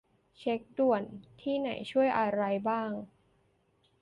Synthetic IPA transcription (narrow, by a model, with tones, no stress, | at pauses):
t͡ɕʰe˦˥k̚du˨˩ənt̪ʰiː˥˩na˩˦jt͡ɕʰu˥˩əjʔa˧ɾa˧jbaː˥˩ŋ